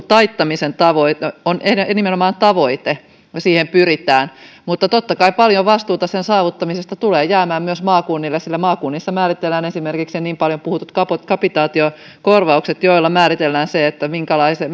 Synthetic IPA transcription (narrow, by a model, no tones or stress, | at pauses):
t̪ɑit̪ːɑmisent̪ɑʋoitonenimenomɑːnt̪ɑʋoit̪e | siːhempyrit̪æːnmut̪ːɑt̪ot̪ːɑkɑipɑljoʋɑst̪uːt̪ɑsensɑːʋut̪ːɑmisest̪ɑt̪uleːjæːmæːmmyøsmɑːkunːilːesilːæmɑːkunːisːɑmæːɾit̪elːæːnesimerkiksenniːmpɑljompuhut̪ːut̪kɑpot̪kɑpit̪ɑːt̪io | korʋɑukset̪joilːɑmæːɾit̪elːæːnseet̪ːæmiŋkælɑise